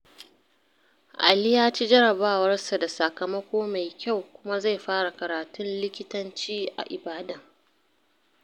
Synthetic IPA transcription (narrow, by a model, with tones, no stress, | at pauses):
ʔa̰˨lɪ˦jaː˦t͡ʃi˦d͡ʒɐ˦ɽɐ˨baː˦wɐ˦rsa˨da˨sɐ˨kɐ˨mɐ˦kʷoː˦ma˨jkʲa˦˨wkʷʊ˦ma˦za˦˨jɸaː˦ɽa˨kɐ˨ɾaː˨tʊ˦nlɪ˦kʲɪ˦tɐ˦nt͡ʃiː˦ʔa̰˨ʔɪ˨baː˦dɐ˦˨ŋ